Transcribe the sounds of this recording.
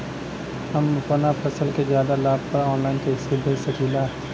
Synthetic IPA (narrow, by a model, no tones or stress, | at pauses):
hɐmpɐnapʰɐsəlkezjaːd̪alaːb̚pɐɾɔːnlaːɪnkesɪb̪ʱesekʰiːla